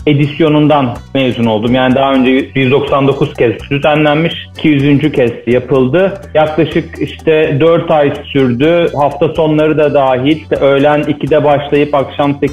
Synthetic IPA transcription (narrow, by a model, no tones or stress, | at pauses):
e̞d̪isjo̞nund̪anmejzuno̞lˠd̪umjaːnid̪aɦaø̞nd͡ʒɛjyzd̪o̞ksand̪o̞kʰuz̥cʰɛst̪d̪yzænlʲænmiʃicʰijyzynd͡ʒycʰɛst̪ʰijapʰɯlˠd̪ɯjaklˠaʃɯkiʃt̪ʰɛd̪øɾt̪ʰajsyɾd̪yhaft̪ʰaso̞nlˠaɾɯd̪ad̪aːɦilʲø̞jlʲænicʰid̪ɛbaʃlˠajɯpakʃamse